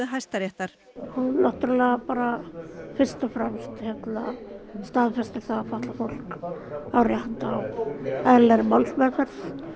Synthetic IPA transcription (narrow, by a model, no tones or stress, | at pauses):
ɦajst̪aɾjɛht̪aɾ̥ | hunlɔht̪ʏɾlɛːɣapaːɾafɪr̥st̪afɾɛmst̪çjɛt̪na̰st̪aːðfɛst̪ɪ̥θaafaht̪lafol̥kawɾjahant̪awɛðlɛɾmɔlsmɛðfɛɾθ